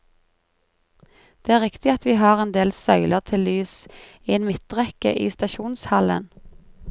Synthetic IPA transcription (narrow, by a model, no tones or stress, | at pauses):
d̪̥eːæːʁɪkt̪ɪɑt̪ʋiːɦɑːʁeːnd̪eːlsœʏləʁt̪ʰɪllyːs | iːeːnmɪt̪̚ʁɛkə̰ʔḭːst̪ɑʃuːnshɑlə̰n